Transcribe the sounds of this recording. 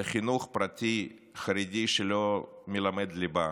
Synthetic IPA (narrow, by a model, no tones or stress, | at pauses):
χinuχpɾatʲi | χɐɾidʲiʃɛlomʲɪlamɛd̪liba